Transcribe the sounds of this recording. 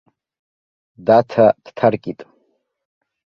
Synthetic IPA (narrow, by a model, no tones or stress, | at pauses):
datʰad̥tʰarkʲʼitʼ